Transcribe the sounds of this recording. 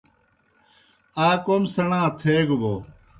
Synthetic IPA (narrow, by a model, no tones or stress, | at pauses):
aːkoːmsəɳãːt̪ʰeːɡboː